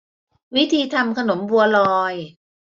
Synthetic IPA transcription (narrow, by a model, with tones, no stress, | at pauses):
wi˦˥t̪ʰiː˧t̪ʰa˧mkʰa˧no˩˦mbu˧ɐlɔː˧j